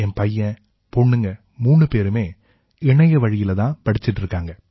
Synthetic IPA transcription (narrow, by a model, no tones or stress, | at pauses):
ɛnpɐjːɐ̃ | pɔɳːɯŋɡɐ | muːɳːɯpeːɾɯmeː | ɪɳɐjɐʋɐɻɪjɪlɐt̪ãːpɐɽɪt͡ʃːɪʈːɪɾɯkːaːŋɡɐ